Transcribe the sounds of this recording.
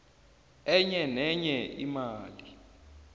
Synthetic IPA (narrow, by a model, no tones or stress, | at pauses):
ɛɲɛnɛɲɛʔimaːli